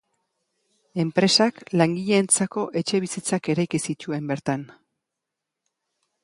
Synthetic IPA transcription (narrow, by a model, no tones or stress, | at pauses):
e̞mpɾe̞saklaŋɡiʎe̞nt͡sako̞ʔe̞t͡ʃe̞β̞isit͡sake̞ɾajkisit̪ue̞mbe̞ɾt̪an